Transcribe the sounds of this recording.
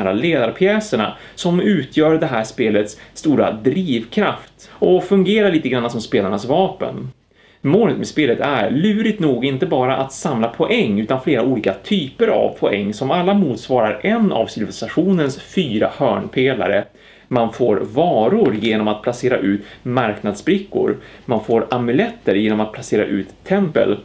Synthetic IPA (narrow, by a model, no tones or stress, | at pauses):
ɾaleːd̪aɾpʰjɛːsəɳa̰sɔmʉ̟ːt̪ʰjœːɾd̪ɛɦæːʂpeːlət̪st̪uːɾa̰d̪ɾiːvkʰɾaft̪ɔfɵŋɡeːɾaɭiːt̪əɡɾanːasɔmspeːlaɳasvɑːpə̰n | moːlət̪̚mɛspeːlət̪æ̰ɾɭʉ̟ːɾɪt̪nuːɡɪnt̪əbɑːɾaʔat̪samlapʰɔʔɛŋːʉ̟ːt̪anfleːɾauːliːkat̪ʰyːpəɾa̰vpʰɔɛŋːsɔmalːamuːt̪svɑːɾaɾɛnːa̰vsɪlvɛst̪aɧuːnənsfyːɾahœːɳpʰeːla̰ɾə̰ | manfoːɾvɑːɾʊɾjeːnɔmat̪̚pʰlaseːɾa̰ʔʉ̟ːt̪maɾknad̪sbɾɪkːʊ̰ɾmanfoːɾʔamɵlɛt̪ːəɾjeːnɔmat̪̚pʰlaseːɾa̰ʔʉ̟ːt̪ʰːɛmpə̰l